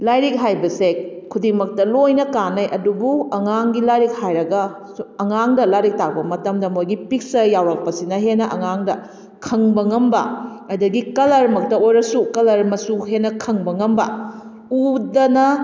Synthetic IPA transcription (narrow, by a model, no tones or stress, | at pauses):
lajɾik̚ɦajbɐse | kʰːudimɐk̚tɐlojnɐkanɐjʔɐdubuɐŋaŋɡilajɾik̚hajɾɐɡɐ | suɐŋaŋdɐlajɾik̚tak̚bɐmɐtɐmdɐmojɡipik̚sɐjawɾɐk̚pɐsinɐɦenɐʔɐŋaŋdɐ | kʰɐŋbɐŋɐmbɐ̰ɐdɐɡikɐlɐɾmɐk̚tɐojɾɐsukɐlɐɾmɐsuɦenɐkʰɐŋbɐŋɐmbɐ̰ | udɐnɐ